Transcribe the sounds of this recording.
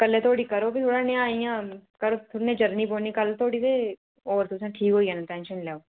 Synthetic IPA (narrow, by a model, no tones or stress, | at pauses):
kɐlːẽt̪ʰoːɽikɐɾoːbʱit̪ʰoːɽanejãijãːkɐɾot̪ʰonẽd͡ʒɐɾniboːnĩkɐlt̪ʰoːɽite | ɔːɾt̪ʰus̬ãʈʰiːkɦoːiɛnaʈɛ̃ːnʃənlɛːo